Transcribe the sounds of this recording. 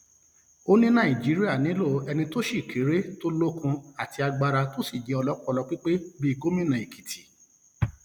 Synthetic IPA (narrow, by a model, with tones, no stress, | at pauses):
o˦nĩ˦nã˦˨i˨d͡ʒi˨˦ɾi˦a˦˨nĩ˨˦lo˦˨˦ɛ˧nĩ˧to˦ʃi˦˨kʰe˨˦ɾe˦to˦lo˦kũ˧a˨ti˧a˧ɡ͡ba˧ɾa˧to˦si˦˨d͡ʒɛ˨˦ɔ˧lɔ˦kɔ˦˧lɔ˧k͡pi˦k͡pe˦bi˦˧ɡo˦mĩ˦˨nã˨e˨ki̥˨ti˨˦